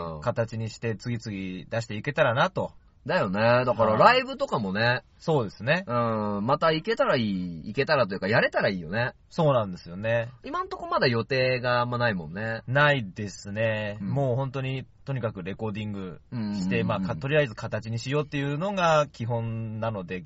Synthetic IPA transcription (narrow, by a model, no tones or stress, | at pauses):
kat̪at͡ɕiɲ̟iɕi̥t̪e̞t͡sɨɡʲit͡sɨɡʲid̪aɕ̬i̥t̪e̞ike̞t̪aɾanat̪o̞ | d̪ajo̞ne̞d̪akaɾaɾaibɯ̟t̪o̞kamo̞ne̞ | so̞ːd̪e̞sɨne̞ɯ̟̃mat̪aike̞t̪aɾaiːke̞t̪aɾat̪o̞jɯ̟kajaɾe̞t̪aɾaiːjo̞̰ne | so̞ːnãnd̪e̞sɨjo̞ne̞imãnt̪o̞ko̞mad̪ajo̞t̪e̞ːɡamːanaimõ̞̰nːe̞naid̪e̞sɨne̞mo̞ːhõ̞nt̪o̞ɲ̟it̪o̞ɲ̟ikakɯ̟ɾe̞ko̞ːd̪ʲĩŋɡɯ̟ɕi̥t̪e̞maːkat̪o̞ɾʲiaizɨkʰat̪at͡ɕiɲ̟iɕijo̞ːt̪ːe̞jɯ̟no̞ɡakʲiɦõ̞nnano̞d̪e̞